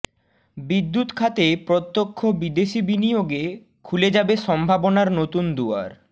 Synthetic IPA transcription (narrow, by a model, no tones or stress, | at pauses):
bid̪ːut̪kʰat̪epɾot̪ːokʰːobid̪eʃibinijoɡe | kʰuled͡ʑabeʃɔmbʱabonaɾnot̪und̪ua̰ɾ